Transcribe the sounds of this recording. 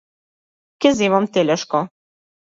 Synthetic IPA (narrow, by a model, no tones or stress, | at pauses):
kɘ̆zemomt̪elʲĕʃko